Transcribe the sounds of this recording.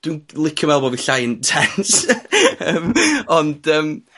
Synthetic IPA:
d̥winlˠɪkʰjɔmɛlˠbɔviɬajəntʰɛnt | əːmɔnd̥əːm

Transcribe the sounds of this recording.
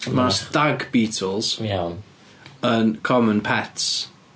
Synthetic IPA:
masdaɡbiːtʰəlˠz̥ | ənkʰɔmə̃npʰɛts

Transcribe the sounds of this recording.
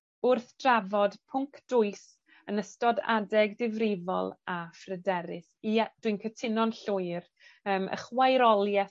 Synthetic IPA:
ʊrθd̥ravɔdpʰʊŋkʰd̥ʊɨs | ənəstɔda̰dɛɡdɪvrɪvɔ̰lˠafrədɛɾɪsiad̥wiɨnkʰətʰɪnɔnɬʊɨr | əːmʔə̰χwajɾɔlˠjɛ

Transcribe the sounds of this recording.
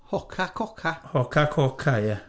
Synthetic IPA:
hɔkʰakɔkʰahɔkakʰɔkʰaja

